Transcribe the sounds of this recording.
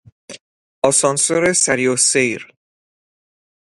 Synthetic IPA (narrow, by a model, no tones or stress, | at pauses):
ʔɒsɒnsoɾesæɾiosejɾ